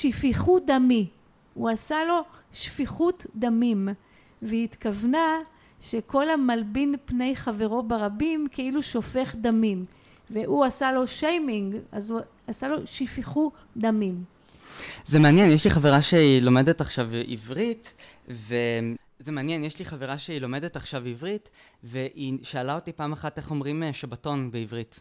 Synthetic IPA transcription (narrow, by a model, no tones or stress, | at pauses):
ʃifiχud̪ami | uasalo̞ʃfiχutd̪amim | veit̪kavna | ʃe̞ko̞lamalbinpne̞jχave̞ʁo̞beʁabimkeiluʃo̞fe̞χd̪amim | veʔuasalo̞ʃejmiŋɡazu | asalo̞ʃifiχu | d̪amim | zemeanjɛnjɛʃliχaveʁaʃeilo̞medetaχʃavivʁit | ve | zemeanjenjɛʃliχaveʁaʃeilomedetaχʃavivʁitveʔiʃaːlao̞tipaːmaχateχo̞mʁimeʃabato̞nbeivʁit